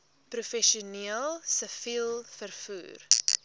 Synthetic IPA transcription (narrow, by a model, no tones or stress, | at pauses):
prufɛʃuniəlˠsəfilˠfərfṵːr